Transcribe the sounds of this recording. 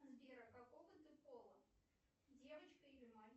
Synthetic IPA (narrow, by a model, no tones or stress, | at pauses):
zbʲeɾəkakovət̪əpolˠə | dʲevət͡ɕkəɪlʲɪmanʲ